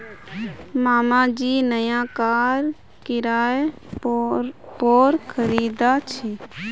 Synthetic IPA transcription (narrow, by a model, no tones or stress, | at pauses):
maːmad͡ʒiːnəjãkaːɾ | kɪɾaːj | poːɾkʰəɾiːd̪at͡ʃʰi